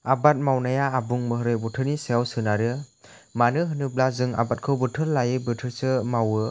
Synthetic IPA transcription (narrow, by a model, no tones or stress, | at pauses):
abat̚mawnajaːbuŋmɯɦɯɾɯbutʰɯɾnisajawsɯnaɾɯmanɯɦɯnɯblazɯŋa̰bat̚kʰɯwbɯtʰɯllajɯbɯtʰɯɾsɯmawɯ